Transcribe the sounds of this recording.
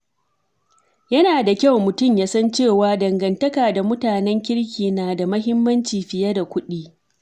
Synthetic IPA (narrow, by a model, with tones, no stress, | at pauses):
jɐ˦naː˨da˨kʲa˦˨wmʊ˨tʊ˦˨mjaː˦sɐ˦nt͡ʃeː˦˨waː˦dɐ˨ŋɡɐ˨ntɐ˦kaː˨da˨mʊ˦taː˨nɛ˦ŋkʲɪ˦ɽkʲiː˨naː˨da˨mɐ˦ɦɪ˦mːɐ˦nt͡ʃiː˨ɸɪ˨jɐ˦da˨kʷʊ˦ɗiː˦